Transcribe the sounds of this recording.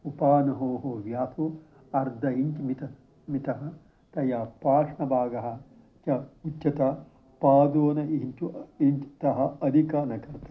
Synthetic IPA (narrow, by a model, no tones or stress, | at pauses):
upaːnɐɦoːɦoːʋjaːt̪ʰu | ɐɾd̪ʱɐiɲt͡ʃmit̪ɐ | mit̪ɐɦɐ | t̪ɐjaːpaːʂɳɐbʱaːɡɐɦɐ̆ | t͡ʃɐut͡ʃːɐt̪ɐ | paːd̪oːnɐiɲt͡ʃuʔiɲt͡ʃt̪ɐɦɐɐd̪ʱikaːnɐkɐɾt̪ɐ